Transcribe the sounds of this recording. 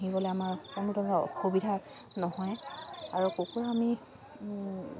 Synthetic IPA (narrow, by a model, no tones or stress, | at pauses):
ɦibɔlɛamaɹkɔnutɔɡa̰xubidʱa | nɔhɔjaɹukokuɹami